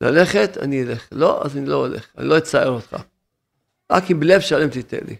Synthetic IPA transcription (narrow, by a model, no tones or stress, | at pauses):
la̰le̞χet̪a̰niileχlo̞ʔa̰zanilo̞olḛχa̰nḭlo̞et͡saeʁot̪χa̰ | ʁa̰kimbelefʃalemt̪it̪ḛlḭ